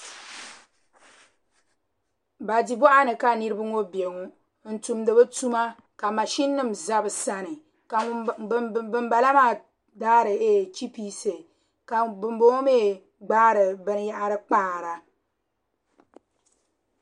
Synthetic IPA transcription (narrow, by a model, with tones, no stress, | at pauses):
ba˨di˨bɔ˦ʔa˦nɨ˨ka˨nɨ˦ɾɨ˦bɨ˦ŋo˦be˨ŋu˨ | n̩˨tu˨mdɨ˨bɨ˦tu˦ma˦ | ka˨ma˨ʃi˦nːɨ˦mza˦bɨ˨sa˦nɨ˨ | ka˨˦ | ɨ˦mba˨la˦maː˦˨ | daː˦ɾɨ˨e˦˨t͡ʃi˦piː˦sɨ˨ | ka˨bɨ˨mbo˦ŋ˦meː˦˨ | ɡ͡baː˦ɾɨ˨bɨ˦n˦ja˦ʔa˦ɾɨ˦k͡paː˦˨ɾa˨